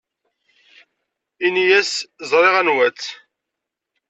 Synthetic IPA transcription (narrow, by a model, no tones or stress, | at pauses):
inijæszˤɾˤeʁænwæt͡sː